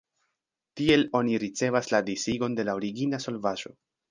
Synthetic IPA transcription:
tie̞lo̞niɾit͡se̞vasladisiɡo̞nde̞laoɾiɡinaso̞lvaʒo̞̰

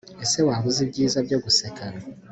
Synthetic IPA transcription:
ese̞waβuziβɟiːzaβjoɡusekʰaɾa

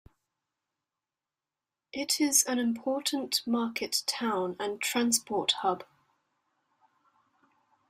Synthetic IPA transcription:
ʔɪtʰɪzə̃nɪ̃mpʰɔˑʔn̩tmɑˑkʰɪtʰãʊ̃nə̃ntʰɹ̥ãnspʰɔˑthʌb̥

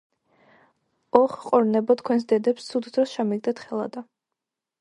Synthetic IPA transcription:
ɔχqʼɔɾnɛbɔt̪ʰkʰwɛnsd̪ɛd̪ɛpst̪sʰud̪d̪ɾɔsʃamiɡ̚d̪ɛt̪ʰχɛlˠa̰d̪a

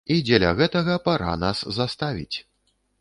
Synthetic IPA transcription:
id͡zʲɛlʲɐ̰ɣɛt̪ɐɣɐpaɾa̰naszast̪avʲḭt͡sʲ

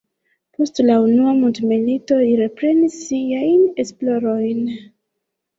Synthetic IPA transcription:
po̞stlaunuamuntmilito̞liɾe̞pɾe̞nisːiajne̞splo̞ɾo̞jn

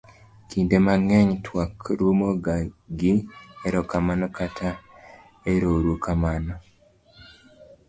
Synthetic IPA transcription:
kʰindemaŋɛɲtʰwakɾumoɡaɡieɾɔkamanɔkatʰa | eɾoɾukamanɔ

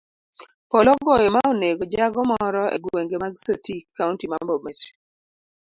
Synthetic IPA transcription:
pɔlɔɡɔjɔmaoneɡod͡ʒaɡɔmɔɾɔḛɡweŋɡemaɡsotikʰːauntimambɔmɛt

